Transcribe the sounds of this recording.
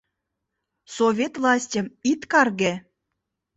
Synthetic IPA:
sovʲet̪vlˠɑsʲtʲə̆mit̪kɑrɣe

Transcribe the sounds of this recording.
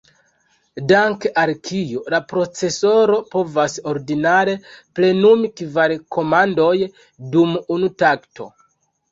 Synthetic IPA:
daŋkeʔalkʰijolapɾo̞t͡se̞so̞ɾo̞po̞vaso̞ɾdinaɾe̞ple̞numikvalko̞mando̞j | dumunutaktʰo̞̰

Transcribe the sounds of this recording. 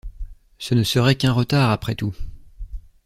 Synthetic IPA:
sənəsəʁɛkɛ̃ʁət̪aʁapχɛt̪u

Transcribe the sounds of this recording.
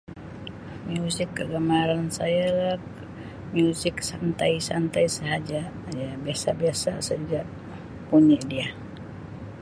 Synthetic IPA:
mjusɪkːəɡamaɾansajalak | miusɪksant̪ajsant̪ajsəɦad͡ʒajabiasabiasa̰səd͡ʒaʔ | puɲadia

